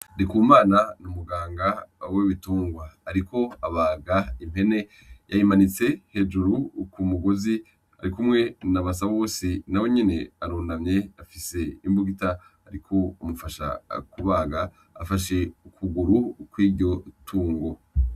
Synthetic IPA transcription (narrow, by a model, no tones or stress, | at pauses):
ɾikuːmaːnanumuɡaːŋɡaweβituːŋɡwaːaɾiko̞aβaːɡaim̥e̞ne̞ | jʔajimanit͡se̞he̞d͡ʒuɾukumuɡozi | a̰ɾikumŋe̞naβas̬aβaβoːsinaweɲene̞aɾuːnamɲe̞afise̞imbuɡita | aɾikʰo̞umufaʃa̰kuβaːɡa̰ː | faʃe̞ukʰuɡuɾukwiːɟo̞tʰuːŋɡo̞